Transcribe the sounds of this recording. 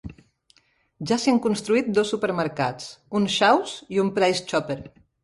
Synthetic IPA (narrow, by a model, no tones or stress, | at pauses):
ʒasiaŋkunst̪ɾuit̪̚d̪osːupəɾməɾkat͡sunʃawsiumpɾajst͡ʃɔpeɾ